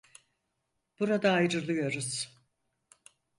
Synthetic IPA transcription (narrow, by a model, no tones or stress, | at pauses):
b̥uɾad̪aːjɾɯɾlˠɯjo̞ɾuz̥